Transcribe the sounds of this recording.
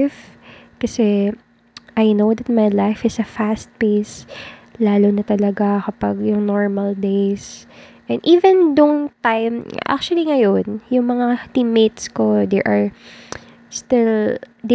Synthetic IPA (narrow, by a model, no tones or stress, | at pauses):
f | kɐsɛ | ʔajnowd̪ɐt̪̚mɐjlajfɪsɐfast̪̚pejslaːlonɐt̪ɐlɐɡakɐpɐɡjʊŋnoɹmɐld̪ejsʔɛnd̪ʔiːvɛ̃nd̪ʊŋt̪ajmʔa̰k̚t͡ʃwɐliŋɐjonjʊŋmɐŋat̪ɪmet̪sko̞d̪ɛ̰ʔɐɹ | st̪ɪld̪ɛ